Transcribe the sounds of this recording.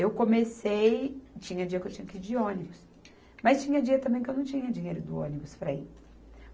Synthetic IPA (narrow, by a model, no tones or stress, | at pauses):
ewkõmesejt͡ʃĩɲɐd͡ʒiɐkewt͡ʃĩɲɐkɪid͡ʒɪõnibʊs | mɐst͡ʃĩɲɐd͡ʒiɐt̪ɐ̃mbẽj̃kewnɐ̃w̃t͡ʃĩɲɐd͡ʒiɲejɾʊd̪ʊõ̰nibʊspɾɐi